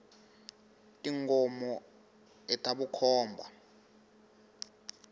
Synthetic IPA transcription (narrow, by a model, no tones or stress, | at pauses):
tʼiŋɔmɔ | ɛtʰʼaɓukʰɔːmbʱa